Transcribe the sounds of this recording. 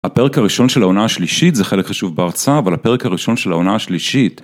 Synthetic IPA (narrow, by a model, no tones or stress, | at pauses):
hape̞ʁekaʁiʃo̞nʃelaonahaʃliʃitzeχe̞lekχaʃuvbeaʁt͡saːvalhape̞ʁekhaʁiʃo̞nʃelaonahaʃliʃit